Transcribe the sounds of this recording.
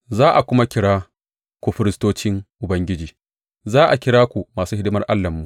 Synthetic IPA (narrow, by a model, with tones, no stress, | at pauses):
zaː˦ʔa˨kʷʊ˦ma˦kʲɪ˦ɽaː˦ | kʷu˨ɸɪ˦ɾɪ˦stoː˦t͡ʃɪ˦ŋʔʊ˨bɐ˦ŋɡʲɪ˦d͡ʒiː˨ | zaː˦ʔa˨kʲɪ˦ɽaː˦kʷu˨maː˨suː˦hɪ˦dɪ˦mɐ˦rʔa˦lːɐ˨mːu˨